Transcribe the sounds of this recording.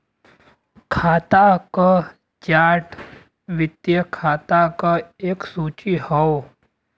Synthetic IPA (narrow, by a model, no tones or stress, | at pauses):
kʰaːt̪akə | d͡ʒaːʈ | ʋɪt̪jəkʰaːt̪akəeːksuːt͡ʃihɔo